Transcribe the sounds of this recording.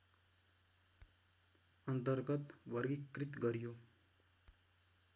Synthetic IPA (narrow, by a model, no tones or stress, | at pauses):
ʌnt̪əɾɡʌt̪ʋʌɾɡikːɾit̪ɡʌɾijo